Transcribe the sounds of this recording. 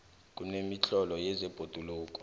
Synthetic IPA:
k̬ʼunemit͡ɬʰɔlɔjɛzɛb̥ʱod̥ʱuluːk̬ʼɔ̥

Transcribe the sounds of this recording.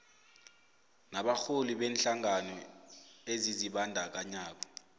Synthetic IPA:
naɓaxoliɓeːnɬaŋanɔ | eziziɓandʱak̬aɲaːk̬ɔ

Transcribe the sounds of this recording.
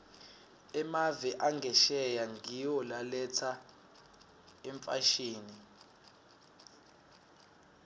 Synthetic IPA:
ɛmavɛʔaŋʱɛʃɛjaŋʱiwɔlalɛt͡sʰa | ɛɱfaʃiːni

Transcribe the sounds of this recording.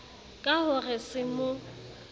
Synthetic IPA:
kʼaɦʊrɪsɪmʊ

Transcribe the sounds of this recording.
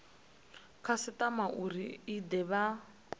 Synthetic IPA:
kʰasɪtamaʔuɾiidɛβa

